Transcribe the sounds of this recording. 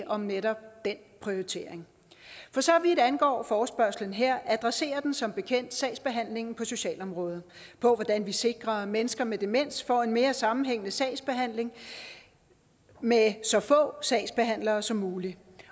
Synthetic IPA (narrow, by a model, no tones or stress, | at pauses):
ɒ̽mneɾɒ̽b̥d̥en̰pʰʁioit͡sʰe̝ɐe̝ŋ | fɒ̽sɒ̽ʋieɾ̥ænɡ̥ɒ̰ːfɒːsb̥ɶɐslən̩ɦeɐ̰æd̥ʁase̝̰ːɐd̥ensɒ̽mb̥e̝kʰen̰d̥sɛɪ̰sb̥e̝ɦæn̰le̝ŋn̩pʰɒ̽so̝ɕɛ̰ːlɒ̽mʁɔ̽ːð̞̩ˠ | pʰɒ̽ʋɒd̥ænʋise̝ɡ̥ʁɐmenəsɡ̥ɐmed̥e̝men̰sd̥fɒe̝nme̝ːɐsɑ̈mn̩ɦeŋ̰nəsɛɪsb̥e̝ɦæn̰le̝ŋ | mesɒ̽fɔ̰̽ːsɛɪsb̥e̝ɦæn̰lɐːsɒ̽mːuːli